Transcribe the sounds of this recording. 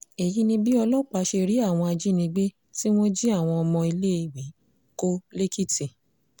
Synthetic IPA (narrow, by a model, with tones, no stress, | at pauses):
e˨ji˦nĩ˧bi˦ɔ˧lɔ˦˨k͡pa˧˦ʃe˧ɾi˨˦a˦˨w̃ɔ̃˧a˧d͡ʒi˦nĩ˧ɡ͡be˦ | ti˦w̃ɔ̃˦d͡ʒi˦a˦˨w̃ɔ̃˧ɔ˧mɔ̃˧i˧le˦i˧˨wi˨˦ | ko˦le˦ki˦ti˨